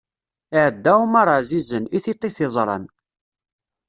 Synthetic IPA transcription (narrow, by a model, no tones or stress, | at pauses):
ɪʕəd̪ːæumɑɾˤɑzizəniθit̪ˤːiθɪzˤɾˤɑ̰n